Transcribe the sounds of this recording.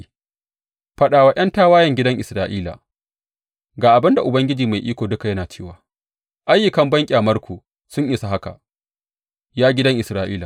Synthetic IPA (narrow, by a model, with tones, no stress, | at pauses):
ɸɐ˦ɗaː˨waː˨ʔɐ˦ntaː˦waː˦jɐ˨ŋɡʲɪ˦dɐ˦ŋʔɪ˨sɾaː˦ʔiː˦la̰˨ | ɡaː˨ʔa˨bɪ˦nda˨ʔʊ˨bɐ˦ŋɡʲɪ˦d͡ʒiː˨ma˨jʔiː˦kʷoː˨dʊ˦ka˨jɐ˦naː˨t͡ʃeː˦˨waː˨ | ʔa˦jːʊ˨kɐ˨mbɐ˦ŋkʲʼaː˨mɐ˦rkʷʰoː˨ | sʊ˦ɲʔɪ˨sa˨ɦa˦ka̰˨ | jaː˦ɡʲɪ˦dɐ˦ŋʔɪ˨sɾaː˦ʔiː˦la˨